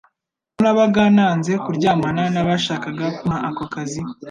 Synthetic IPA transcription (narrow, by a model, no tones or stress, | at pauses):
unaβaɡaːnaːnze̞kuɾɟaːmananaβaʃaːkaɡakumaakoakazi